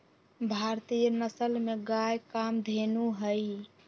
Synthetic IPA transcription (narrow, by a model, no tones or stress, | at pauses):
bʱaɾt̪ijənəsəlmeɡajkamd̪ʱenuɦəj